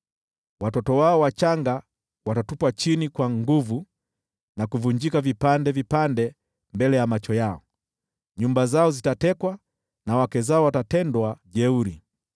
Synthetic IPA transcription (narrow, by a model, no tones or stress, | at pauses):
watɔtɔwaɔwat͡ʃaŋɡa | watatupwat͡ʃinikwaŋɡuvu | nakuvuɲd͡ʒikavipandɛvipandɛ | mbɛlɛjamat͡ʃɔjaɔ | ɲumbazaɔzitatɛkwa | nawakɛzaɔwatatɛndwaʄɛuɾi